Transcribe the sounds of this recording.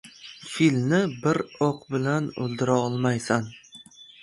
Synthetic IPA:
filmnɪbɪɾɒqbɪlano̰ld̪ɪɾaɒlˠmajsan

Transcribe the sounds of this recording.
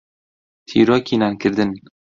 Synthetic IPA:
t̪ʰḭɾɒkʲʰinankʲʰɪɾd̪ɪn

